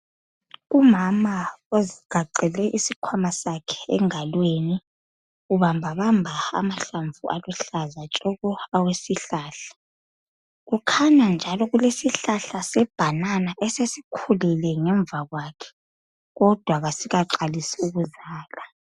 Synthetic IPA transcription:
umamaoziɡ̥ʱaǀɛlɛʔisikʰwamasakʰɛ̥ɛ̰ŋalweni | uβambʱaβambʱaa̰maɬaɱvuʔa̰luɬazat͡ʃʼɔɣɔawesiɬaːɬḁ | ɣukʰaɲand͡ʒʱalɔɣulesiɬaɬasɛb̥ʱananaʔɛsesikʰulilɛŋɛɱb̪vʱaɣwakʰɛ̥ | ɣɔd̥ʱwaɣasiɣaǃalisiuɣuzaːla

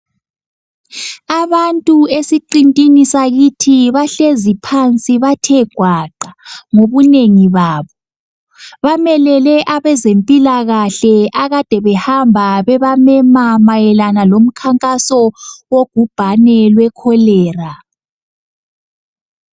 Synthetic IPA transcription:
aβantʼuesiǃintʼinisaɣitʰiβaɬezipʰant͡sʼiβatʰɛɡ̥ʱwaǃaŋoβuneŋiβaːβɔ | βamɛlɛlɛʔaβɛzempʼilaɣaɬɛʔaɣad̥ʱɛβɛhambʱaβɛβamɛmamajɛlanalom̩kʰaŋkʼasɔwoɡ̥ʱub̥ʱanɛlwɛkʰɔlɛːra

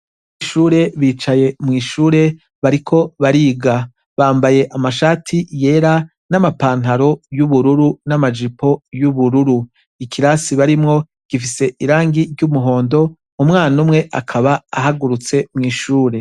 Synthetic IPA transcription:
iʃuːɾe̞βiːt͡ʃaje̞mŋiːʃuːɾe̞ | βaɾikʰo̞βaɾiːɡa | βaːmbaje̞ʔamaʃaːtʰije̞ːɾa | namapaːn̥haɾo̞juβuɾuɾunamad͡ʒipo̞juβuɾuɾu | ikʰiɾasiβaɾimŋo̞ | ɡ̥ifise̞ʔiɾaːŋɡiɾɟumuɦo̞ːndo̞ | umŋaːnumŋe̞ʔakʰaβaaɦaɡuɾut͡se̞mŋiːʃuːɾe̞

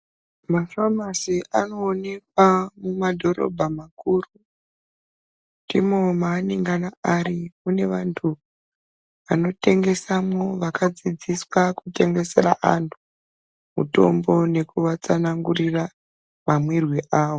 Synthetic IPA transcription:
mafamasiano̞ːne̞kwamumadʱo̞ɾo̞̰bʱamakuːru | dimomaːniŋɡanaaɾiune̞ʋantʰu | ʋano̞te̞ŋɡe̞samo̞ʋakad͡zid͡ziswakute̞ŋɡe̞se̞raʔantʰu̥ | mṵto̞̰mbo̞ne̞kuʋat͡sanaŋɡurira | mamwirwiʔaːʋo

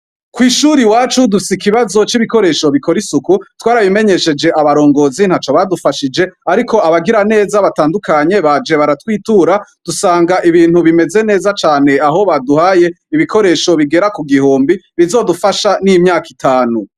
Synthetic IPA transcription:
kwiːʃuːɾiwaːt͡ʃudufisikiβazo̞t͡ʃiβiko̞ɾe̞ːʃo̞βikʰo̞ɾisukutwaːɾaβime̞ɲe̞ʃe̞d͡ʒe̞ʔaβaɾo̞ːŋɡo̞zin̥hat͡ʃo̞βadufaʃid͡ʒe̞aɾiko̞aβaɡiɾane̞ːzaβataːndukaɲe̞βad͡ʒe̞βaɾatwiːtuːɾad̥usaːŋɡaʔiβiːnhuβime̞ze̞ne̞ːzat͡ʃaːne̞aɦo̞βaduhaje̞ | iβiko̞ɾe̞ːʃo̞βiɡe̞ɾakuɡihoːmbiβizo̞dufaʃanimɲaːkitʰaːnu

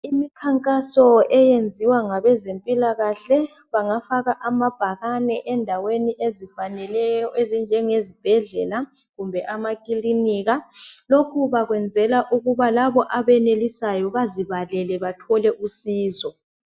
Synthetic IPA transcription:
imikʰaŋkʼasɔɛjend͡zʱiwaŋaβɛzempʼilaɣaɬɛ | βaŋafaɣaʔamab̥ʱaɣanɛʔɛndʱaweniʔezifanɛlɛjɔʔezind͡ʒʱɛŋezib̥ʱɛɮɛla | ɣumbʱɛʔamakʼiliniɣalokʰuβaɣwɛnd͡zʱɛlaʔuɣuβalaβɔʔaβɛnelisajɔβaziβalɛlɛβatʰɔlɛʔusiːzɔ

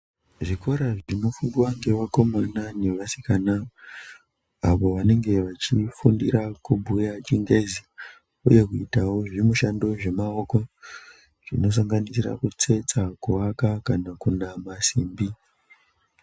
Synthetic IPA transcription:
ʐiko̞ɾaʐino̞funduwaŋɡe̞ʋako̞manane̞ʋasi̥kana | aʋo̞ʋane̞ŋɡe̞ʋat͡ʃifundiɾakubʱujat͡ʃiŋɡezi | uje̞kuitawo̞ʐimuʃando̞ʐe̞maoko̞ | ʐ̥ḭno̞s̬aŋɡanisira̰kut͡se̞t͡sakuwakakanakunamasiːmbi

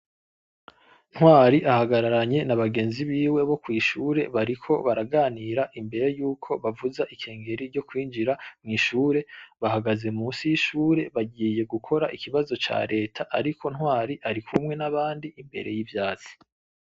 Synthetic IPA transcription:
n̥hwaːɾiʔahaɡaɾaɾaɲe̞naβaɡe̞ːnziβiːwe̞βo̞kwiːʃuːɾe̞βaɾikʰo̞̰βaɾaɡaːniɾaʔimbe̞ɾe̞juːkʰo̞βavuzaʔikʰe̞ːŋɡe̞ɾiɾɟo̞kwiːnd͡ʒiɾamŋiːʃuːɾe̞βahaɡaze̞musiʃuːɾe̞βaɟiːje̞ɡukʰo̞ɾaʔikiβazo̞t͡ʃa̰ːɾe̞ːtʰaʔːɾikʰo̞nhwaːɾiʔaɾikʰumŋe̞naβaːndiimbe̞̰ɾe̞̰jivjaːzi̥

